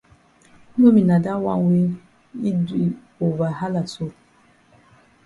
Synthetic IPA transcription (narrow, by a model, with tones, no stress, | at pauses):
no˦mi˨na˨da˦wa̰˦ŋ˦we˦ | i˦di˨ | o˨va˨ha˦la˨so˦